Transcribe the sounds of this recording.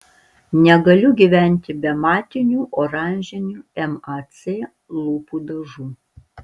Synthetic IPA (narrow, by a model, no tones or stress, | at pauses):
nʲɛɡɐlʲʊɡʲiːʋʲæˑnʲˑt̪ʲɪbʲɛmɑːt̪ʲɪnʲuːʔoːɾɑˑnʲʒʲɛnʲuːɛmɐt̪sʲeː | lˠuːpuːd̪ɐʒuː